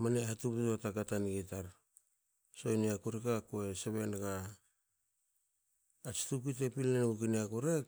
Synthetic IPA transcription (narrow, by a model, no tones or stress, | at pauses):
manehatuptutotakatanɡitaɾ | so̞jniakuɾikakoeseβe̞nɡa | t͡ʃi̥tuk̬it̬epilnenɡukiniakuɾek̚